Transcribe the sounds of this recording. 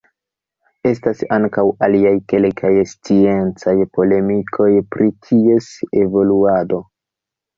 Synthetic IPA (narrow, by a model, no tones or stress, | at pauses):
e̞stasaŋkawaliajke̞lkʰajst͡sie̞nt͡sajpo̞le̞mikʰo̞jpɾikʰie̞se̞vo̞luado̞